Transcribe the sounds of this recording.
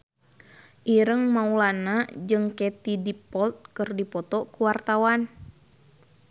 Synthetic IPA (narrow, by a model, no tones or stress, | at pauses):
ʔiɾəŋmaulanad͡ʒɨŋkɛt̪idipɔlt̪̚kɨrdipɔt̪ɔkuwart̪awan